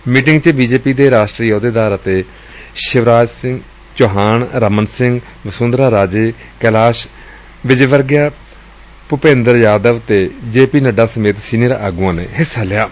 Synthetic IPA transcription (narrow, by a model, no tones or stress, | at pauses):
miːʈɪ̃ŋɡt͡ʃəbiːd͡ʒeːpiːd̪eːɾaːʃʈɾiːjoːd̪eːd̪aːɾət̪eː | ʃɪʋɾaːd͡ʒsɪ̃ŋɡ | t͡ʃoːɦaːɳɾəmənsɪ̃ŋɡ | ʋəsʊ̃ːnd̪ɾaːɾaːd͡ʒeː | kɛlaːʃ | ʋɪd͡ʒʋəɾɡjaː | pʊpẽːnd̪əɾjaːd̪əʋt̪eːd͡ʒeːpiːnəɖaːsəmeːt̪siːniɾaʔaːɡuãːnḛːɦɪsaːlɪjaː